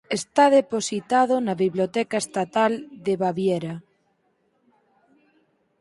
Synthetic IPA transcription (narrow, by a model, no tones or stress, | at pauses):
est̪aðeposit̪að̞onaβiβljot̪ɛkaest̪at̪ald̪eβaβjeɾa